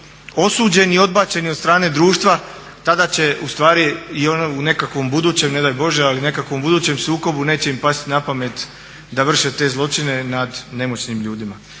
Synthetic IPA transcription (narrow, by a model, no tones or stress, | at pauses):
o̞suːd͡ʑe̞nio̞d̪baːt͡ɕe̞niod̪st̪ɾaːne̞d̪ɾuːʃt̪ʋa | t̪ad̪at͡ɕe̞ust̪ʋaːɾiionoune̞kakʋo̞mbud̪uːt͡ɕe̞mne̞d̪ajbo̞ʒealiune̞kakʋo̞mbud̪uːt͡ɕe̞msuːko̞bune̞ːt͡ɕe̞impast̪inapame̞t̪ | d̪aʋr̩ʃet̪e̞ːzlˠo̞t͡ʃine̞nad̪ne̞mo̞t͡ɕnimʎuːd̪ima